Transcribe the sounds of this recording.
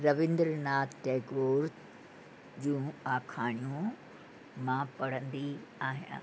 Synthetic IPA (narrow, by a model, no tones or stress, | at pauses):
ɾɐʋɪ̃nd̪ɾnaːt̪t̪eːɡoːɾ | d͡ʑũːaːkʰaːɳ̃ijõ | mãːpɐɽ̤ə̃nd̪iaːɦijã̰ː